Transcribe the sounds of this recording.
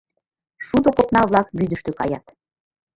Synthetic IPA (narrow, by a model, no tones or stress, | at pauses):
ʃud̪okopnɑβlɑkβyd̪ə̆ʃt̪økɑ̰jɑt̪